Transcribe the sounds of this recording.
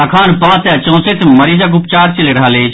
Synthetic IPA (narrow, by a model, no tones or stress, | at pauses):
ɐkʰaːnpɐʋat̪eɐt͡ʃõːset̪ʰmɐɾiːzaɡʊpt͡ʃaːɾt͡ʃɐleɾɐɦaleːd͡ʒ